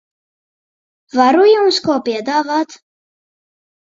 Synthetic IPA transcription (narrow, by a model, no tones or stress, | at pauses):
vaɾujumskɔːpiɛd̪aːvat̪